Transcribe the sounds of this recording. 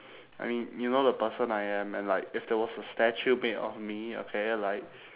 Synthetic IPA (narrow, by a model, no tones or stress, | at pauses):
a̰ɪmĩnjunodəpəsə̃naɪɛ̃mɛ̃nlaɪkɪfdɛwɔsəstɛt͡ʃumetɔ̰fmio̰kʰelaɪk̚